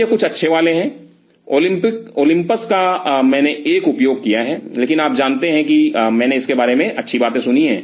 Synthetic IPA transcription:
ekʊt͡ʃʰɐtːʃʰeʋaːleɦɛ̃ː | oːlɪ̃mpɪkoːlɪ̃mpəskamɛ̃ːneʔeːkʊpjoːɡ̚kijaɦɛːleːkɪnaːp̚d͡ʒaːnt̪eɦɛ̃kimɛ̃ːneɪskebaːɾemẽʔɐtːʃʰibaːt̪ẽsʊniɦɛ̰̃ː

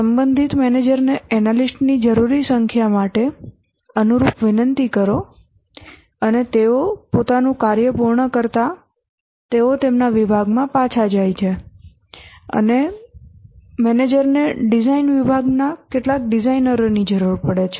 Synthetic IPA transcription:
səmbənd̪ʱit̪mɛned͡ʒəɾneɛnalisʈnid͡ʒəɾuɾisəŋkʰjamaʈe | ənuɾupʋɪnənt̪ikəɾo | ənet̪eopot̪anũkaɾjəpuɾɳəkəɾt̪a | t̪eot̪emnaʋibʱaɡmãpat͡ʃʰad͡ʒajt͡ʃʰe | ə̰ne | mɛned͡ʒəɾneɖizainʋibʱaɡnakeʈlak̚ɖizainəɾonid͡ʒəɾuɾpəɽet͡ʃʰe

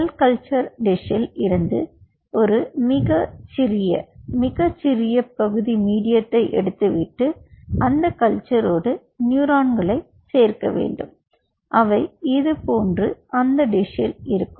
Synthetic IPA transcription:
ɐlkɐlt͡ʃɐɾɖɪʂɪlɪɾɯnd̪ɯ̰ | ɔɾɯmɪɣɐt͡ʃɪɾɪjɐ̰mɪɣɐt͡ʃːɪɾɪjɐpːɐɣɯðimiːɽɪjɐt̪ːɐɪʔɛ̰ɽɯt̪ːɯʋɪʈːɯɐnd̪ɐkɐlt͡ʃɐɾoːɽɯ | njuːɾaːɳɡɐɭɐɪ | seːɾkɐ̰ʋḛːɳɖɯm | ʔɐʋɐɪɪðɯpoːndrɯʔɐnd̪ɐɖɪʂɪlɪɾɯkːɯm

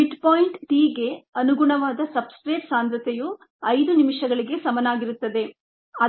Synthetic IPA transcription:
iʈpoːjiɳʈʈiːɡe̞ɐnuɡuɳɐʋaːd̪ɐsɐbskɾɐjpsaːnd̪ɾɐt̪eju | ɐjd̪unimiʂɐɡɐɭiɡe̞sɐmɐnaːɡiɾut̪ːɐd̪e̞ | ɐ

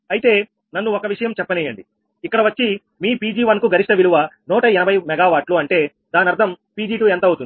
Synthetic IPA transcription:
ɐjt̪e̞ː | nɐnːuɔkɐʋiʂɐjɐmt͡ʃɛpːɐniːjɐɳɖi | ikːɐɽɐʋɐt͡ʃːi | miːpiːd͡ʒiːʋɐnkuɡʱɐɾiʂʈɐʋiluʋɐnɔːʈɐɛnɐbʱɐjmɛɡaːʋaːɾʈluɐɳʈe̞ː | d̪aːnɐɾd̪ʱɐmpiːd͡ʒiːʈuːɛnt̪ɐut̪und̪i

